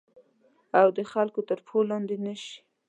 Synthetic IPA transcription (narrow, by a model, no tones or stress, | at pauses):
awd̪əxalkot̪əɾpʰolːɑnd̪enəʃi̥